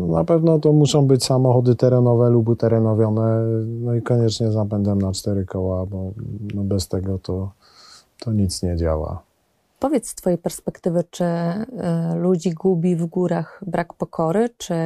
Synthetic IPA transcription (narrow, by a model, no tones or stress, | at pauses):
napɛvnɔt̪ɔmuʂɔ̃w̃bɘt͡ɕsamɔxɔd̪ɘt̪ɛɾɛnɔvɛlubt̪ɛɾɛnɔvʲjɔnɛnɔikɔɲɛt͡ʂɲɛzapɛnd̪ɛmnat͡ʂt̪ɛɾɘkɔwabɔnɔbɛst̪ɛɡɔt̪ɔ | t̪ʰɔɲit̪sɲɛd͡ʑa̰wa̰ | pɔvʲjɛt̪st̪fɔjejpɛɾspɛkt̪ɘvɘt͡ʂɘ | lud͡ʑiɡubʲivɡuɾaxbɾʔakpɔkʰɔɾɘt͡ʂɘ